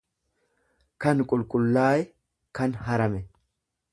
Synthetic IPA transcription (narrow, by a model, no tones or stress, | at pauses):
kɐnkʼʊlkʼʊlːaːjɛ | kɐnhɐɾɐmɛ